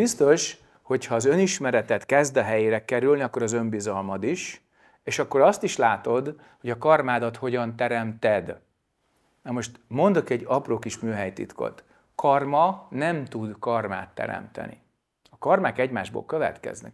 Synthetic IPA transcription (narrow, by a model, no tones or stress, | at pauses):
bist̪o̞ʃ | ho̞chɒːzø̞niʃmɛɾɛt̪ɛt̪kɛzd̪ɒɦɛjeːɾɛkɛɾylniɒkːoɾɒzømbizɒlmɒd̪iʃ | eːʃɒkːo̞ɾɒst̪iʃlaːt̪o̞d̪ | ho̞ɟɒkɒrmaːd̪ɒt̪ho̞ɟɒnt̪ɛɾɛmt̪ɛd̪ | nɒmo̞ʃt̪mo̞nd̪o̞kɛɟːɒproːkiʃmyːɦɛjt̪ḭt̪ko̞̰t̪ | kɒrmɒnɛmt̪ud̪kɒrma̰ːt̪ːɛ̰ɾɛ̰mt̪ɛ̰nḭ | ɒkɒrmaːkɛɟmaːʒbo̰ːlkøvɛ̰t̪kɛ̰znɛ̰k